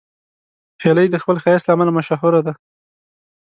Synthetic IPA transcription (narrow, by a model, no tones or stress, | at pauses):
heləjd̪əxpəlxajast̪laːmalamaʃaɦʊɾad̪a